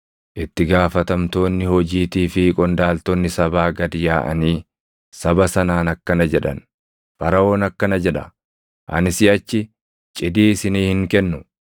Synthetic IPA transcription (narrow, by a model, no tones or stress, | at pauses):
ʔɪt̪ːɪɡaːfɐt̪ɐmt̪o̞ːnːɪhɔd͡ʒiːt̪iːfɪkʼɔnd̪aːlt̪ɔnːɪsɐbaːɡɐd̪ɪjaːʔɐ̰niː | sɐbɐsɐnaːnɐkːɐnɐd͡ʒɛᶑɐ̰n | fɐɾɐo̞ːnɐkːɐnɐd͡ʒɛᶑɐ | ʔɐ̰nɪsɪɐt͡ʃːɪ | t͡ʃʼɪd̪iːɪsɪniːhɪŋkɛnːʊ